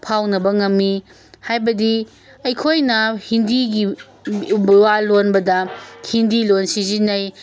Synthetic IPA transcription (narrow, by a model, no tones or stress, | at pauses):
pʰawnɐbɐŋɐmːi | hajbɐdi | ɐjkʰojnɐhindiɡi | bwalonbɐdɐhindilonsizinɐj